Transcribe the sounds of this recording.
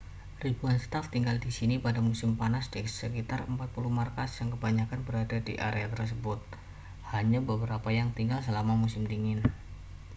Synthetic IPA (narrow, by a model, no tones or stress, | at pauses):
ribuanst̪aft̪iŋɡaldisinipadamusɪmpanasdɛsəkit̪arəmpat̪̚puluhmarkasjaŋkəbaɲakanbəɾadadḭʔaɾeat̪ərs̬əbʊt̪̚ | haɲabəbəɾapajaŋt̪iŋɡalsəlamamusɪmdiŋɪn